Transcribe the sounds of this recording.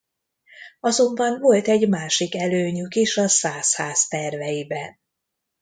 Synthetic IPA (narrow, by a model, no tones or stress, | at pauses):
ɒzo̞mbɒnvolt̪ɛɟmaːʃikɛløːɲykiʃɒsaːshaːst̪ɛrvɛjibɛn